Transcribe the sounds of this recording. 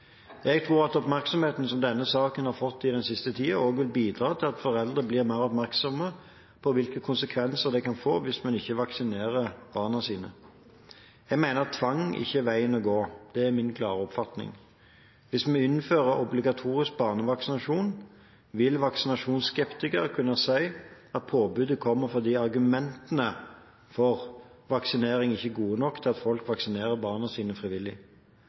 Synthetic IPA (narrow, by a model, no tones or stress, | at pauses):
jɛɡt̪ʰʁuːʁɑt̪ɔpmæʁksɔmheːt̪n̩sɔmd̪ɛnːəsɑːkənhɑɾfɔt̪ːɪd̪ɛnsɪst̪ət̪ʰiːəoːɡʋɪlbiːd̪ʁɑːt̪ʰɪlɑt̪fɔʁɛld̪ʁəblɪːʁmæɪʁɔpmæʁksɔmə | pʰɔʋɪlkəkʰʊnsəkʰʋɛnsəʁd̪ɛkɑnfoːʋɪsmɛnɪçːəʋɑksɪneːʁəʁb̥ɑːʁnɑsiːnə̰ | jɛɡmæɪnəʁt̪ʰʋɑŋɪ̰çːəʋæɪənɔɡoːd̪̥ɛːʁmɪnkʰlɑːʁəɔpfɑt̪nɪ̰ŋ | ʋɪsmɛɪnːføːʁəɔblɪɡɑt̪ʰuːʁɪsk̚bɑːʁnəʋɑksɪnɑʃuːn | ʋɪlʋɑksɪnɑʂuːnsːkɛpt̪ɪkəʁkʰʉnːɑsæɪ | ɑt̪̚pʰoːbʉd̪əkʰɔmːəfɔd̪iːɑɾɡʉmɛnt̪ənə | fɔʁ | ʋɑksɪneːʁɪŋɪçːəɡuːənɔkːt̪ʰɪlɑt̪fɔlkʋɑksɪneːʁəbɑːʁnɑsiːnəfʁɪʋɪlːɪ